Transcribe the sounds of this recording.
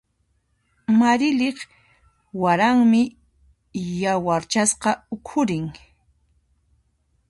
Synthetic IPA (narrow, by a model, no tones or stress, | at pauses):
maɾɪleχ | waɾaŋmɪ | jawaɾt͡ʃasqɑʊkʰʊɾɪŋ